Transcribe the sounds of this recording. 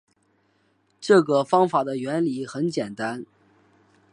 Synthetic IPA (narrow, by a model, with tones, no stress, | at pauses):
ʈ͡ʂɤ˥˩ɡə˩fɑ˥ŋfa˨˩d̪ə˦ɥɛ˧˥nli˨˩xə˧˥nt͡ɕjɛ˨˩nt̪a˥n